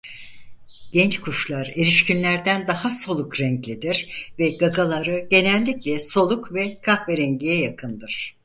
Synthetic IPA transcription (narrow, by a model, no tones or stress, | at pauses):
ɟ̥ɛnt͡ʃkʰuʃlˠaɾe̞ɾiʃcinlʲæɾd̪ænd̪ahaso̞lˠukɾɛɲclʲid̪iɾ̥vɛɡaɡalˠaɾɯɟe̞nɛlʲːiclʲɛso̞lˠukvɛkʰahveɾɛɲɟijɛjakʰɯnd̪ɯɾ̥